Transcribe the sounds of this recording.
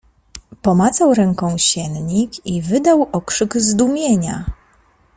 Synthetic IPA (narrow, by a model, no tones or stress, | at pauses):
pɔmat̪sawɾɛŋkɔ̃w̃ɕɛnɲikivɘd̪awɔkʂɘɡzd̪umʲjeɲa